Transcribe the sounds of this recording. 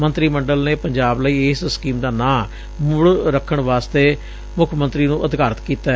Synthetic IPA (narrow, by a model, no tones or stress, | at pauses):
mə̃nt̪ɾiːməɳɖəlneːpəɲd͡ʒaːbləiːɪsskiːmd̪aːnãː | mʊɽɾəkʰːəɳʋaːst̪eː | mʊkʰmə̃nt̪ɾiːnũːʔəd̪kaːɾət̪kiːt̪aː